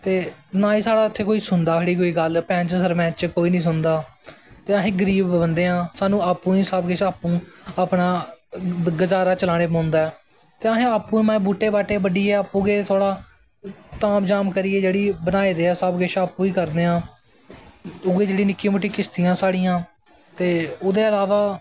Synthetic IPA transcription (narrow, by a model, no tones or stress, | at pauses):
t̪eːnaːiːsaːɽaːɪt̪ʰːeːkoːiːsʊnd̪aːeːɽiːk̬oːiːɡəlpɛ̃ːnt͡ʃsəɾmɛ̃ːt͡ʃkoːiːnĩːs̬ʊnd̪aː | t̪eːaɦẽːɡəɾiːbbənd̪eːãːsaːnũːaːpːũːiːsəbɡɪʃaːpːũːaːpnaː | ɡəd͡ʒaːɾaːt͡ʃəlaːɽ̃eːpãːnd̪aːɛː | t̪eːaɦẽːaːpːũːimɛ̃ːbuːʈːeːbaːʈeːbəɖiːeːaːpːũːɡeːt̪ʰoːɽaː | t̪aːmd͡ʒaːmkəɾiːeːd͡ʒeːɽiːbənaːieːd̪eːɛːsəbɡɪʃʰaːpːũːiːkəɾd̪eːãː | ʊɡeːd͡ʒeːɽiːnɪkːĩːmoːʈːiːkɪst̪ijãːsaːɽɪjãː | t̪eːʊd̪eːəlaːʋaː